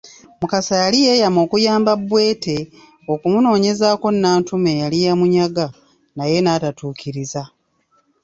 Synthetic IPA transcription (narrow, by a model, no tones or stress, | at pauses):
mukasajalije̞jamo̞ːkujaːmbabwe̞ːte̞ | o̞kumuno̞ːɲe̞zaːko̞nːaːntume̞jalijamuɲaɡa | naje̞naːtatuːkiɾiza